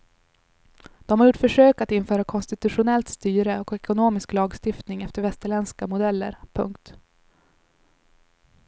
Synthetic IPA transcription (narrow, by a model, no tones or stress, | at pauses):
d̪̥ɔmhaɾjʊʈːfœʂøːkat̪ɪnfœːɾakʰɔnst̪ɪt̪ɵɧʊnɛlt̪st̪yːɾəɔkɛkʊnoːmɪsklɑːɡst̪ɪft̪nɪŋɛft̪əɾvɛst̪əɭɛnskamʊd̪ɛlːə̰ɾpʰɵŋkt̪